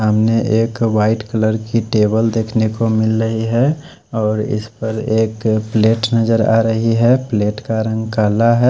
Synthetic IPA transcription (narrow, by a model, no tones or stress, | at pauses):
aːmneʔeːkʋaːɪʈkələɾkiʈeːbəld̪eːkʰnekomɪlɾəɦiɦɛ | ɔːɾɪ̰spəɾeːkpleːʈnɐd͡ʒəɾa̰ːɾəɦiɦɛpleːʈkaɾə̃ŋɡkaːlaɦɛ